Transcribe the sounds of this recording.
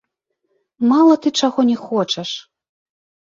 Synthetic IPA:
malˠɐt̪ɨt͡ʂaɣɔnʲɛxɔt͡ʂɛʂ

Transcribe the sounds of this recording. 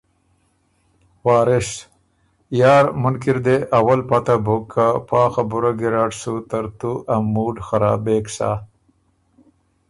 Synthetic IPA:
wɑːɾɪʂ | jɑːɾmʊnkiɾd̪eʔawalpat̪abokʰːapɑːxabʊɾaɡiɾaʈsut̪ɐɾt̪uʔamːuːɖxaɾa̰ːbeːksa̰

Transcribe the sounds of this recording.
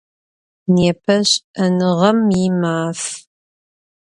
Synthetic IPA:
neːpʰɐɕɐnɨʁɐmɪmaːf

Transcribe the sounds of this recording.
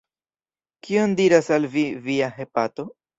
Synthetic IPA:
kio̞ndiɾasalviviaɦe̞pato̞

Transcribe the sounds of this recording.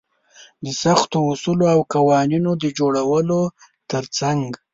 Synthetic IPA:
d̪əsaxt̪oːsuloawkawɑninod̪əd͡ʒoɽawəlo | t̪əɾt͡saŋɡ

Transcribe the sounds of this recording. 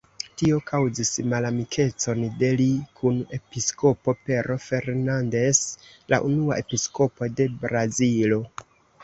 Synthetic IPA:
tio̞kʰawzismalamikʰe̞t͡so̞nde̞likʰune̞pisko̞po̞pe̞ɾo̞fe̞ɾnande̞s | la̰ʔunuaʔepisko̞po̞de̞bɾazilo̞

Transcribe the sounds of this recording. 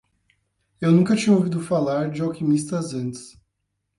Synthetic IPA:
ewnũŋkɐt͡ʃĩɲɐowvid̪ʊfalaɾd͡ʒɪawkimist̪ɐzɐ̃nt͡ʃɪ̥s

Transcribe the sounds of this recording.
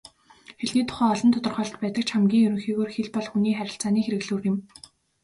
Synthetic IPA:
xeɮniːt̪ʰʊ̥χæːɔɮɞ̆nt̪ʰʊt̪ɞ̆rχœːɮt̪pæːt̪ə̆k̚t͡ɕχamɡʲiːŋjɵɾɵ̆ŋxiːɣoːrxeɮpɔɮxuniːχæɾʲɪ̆ɬt͡saːniːxeɾɘ̆ɣɮŭːrɪ̆m

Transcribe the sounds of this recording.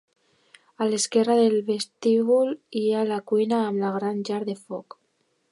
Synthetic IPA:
aleskɛraðelβest̪iβulialakujnaːmlaɣ̞ɾanʒaɾðefɔk

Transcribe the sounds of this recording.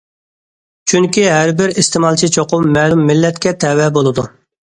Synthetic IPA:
t͡ʃʰyŋkʲiɦæɾbɪɾist̪ɪmɑlˠt͡ʃʰit͡ʃʰoqʊmːɛlˠumːɪlːɛt̪kʲɛt̪ʰɛwɛbolˠɨd̪u

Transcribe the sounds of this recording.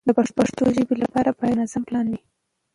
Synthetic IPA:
d̪əpaʂpaʂt̪oʒəbilapɑɾapɑjnazamplɑnwi

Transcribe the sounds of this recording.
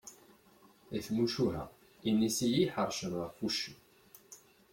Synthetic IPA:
iθmuʃuɦæ̰ | inːisijiħəɾˤʃəməʁfuʃu

